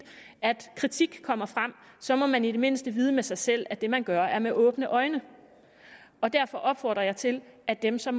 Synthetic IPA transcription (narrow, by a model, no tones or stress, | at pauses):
æd̥kʰʁit͡sʰiɡ̥kʰɒ̽m̰ɐfʁɑm̰ | sɒ̽mɒ̽mænid̥e̝me̝n̰sd̥əʋiːð̞ˠəmesɑ̈ɪsel̰æd̥e̝mænɡ̥ɶɐæɐmeʔɔ̽ːb̥nəʔɒ̽ɪnə | ɒ̽d̥æɐfɒ̽ʔɒ̽b̥fɒ̰ːd̥ʁɐjɑ̈ɪt͡sʰe̝læd̥emsɒ̽m